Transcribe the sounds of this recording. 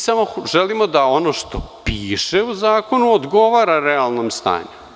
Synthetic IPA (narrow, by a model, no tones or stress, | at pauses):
samoʒelimo̞d̪ao̞no̞ʃt̪opiːʃeuzaːko̞nuod̪ɡo̞ʋaːɾaɾealˠno̞mst̪a̰ːɲu